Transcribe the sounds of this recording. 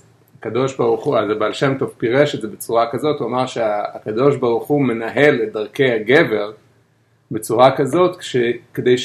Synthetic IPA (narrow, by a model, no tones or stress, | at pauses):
akado̞ʃbaʁuχuazabalʃemtovpiʁeʃetzebet͡suʁakazo̞tuamaʁʃeaːkado̞ʃbaʁuχume̞naɦe̞let̚daʁke̞jaɡe̞ve̞ʁ | be̞t͡suʁakazo̞tʃekedejʃ